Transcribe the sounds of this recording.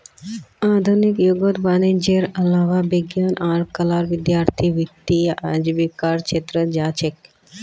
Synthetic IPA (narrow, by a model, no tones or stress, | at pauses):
ad̪ʱunikjuɡot̪baned͡ʒeɾəlaʋabiɡjanʔaɾkəlaɾʋid̪jaɾt̪ʰiʋit̪ːia̰d͡ʒbikaɾt͡ʃʰet̪ɾəd͡ʒat͡ʃʰek